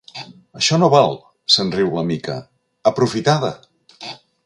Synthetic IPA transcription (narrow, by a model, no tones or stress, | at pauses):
əʃɔnoβalˠ | sənriwləmikə̰ | əpɾufit̪aðə